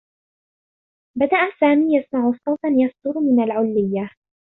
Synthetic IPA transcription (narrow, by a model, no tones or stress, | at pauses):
bad̪aʔasaːmiːjasmaʕʊsˤɑwt̪ɑnjɑft̪ʊɾmɪnalʕʊlːɪjːa